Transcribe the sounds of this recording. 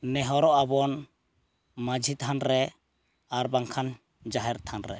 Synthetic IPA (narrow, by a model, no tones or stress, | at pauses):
nɛɦɔɾɔʔabɔn | mad͡ʒʱit̪ʰanɾɛ | aɾbaŋkʰan | d͡ʒaɦɛɾt̪ʰanɾɛ̰